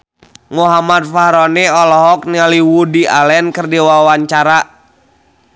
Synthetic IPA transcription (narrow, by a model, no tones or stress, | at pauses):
muɦamat̪̚fahɾɔnɛɔlɔɦɔk̚nialiwudiʔalɛnkərdiwawaɲt͡ʃaɾa